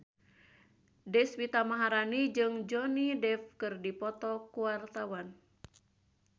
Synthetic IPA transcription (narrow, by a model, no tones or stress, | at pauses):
dɛswit̪amaɦaɾanid͡ʒɨŋd͡ʒɔnidɛfkɨrdipɔt̪ɔkuwart̪awan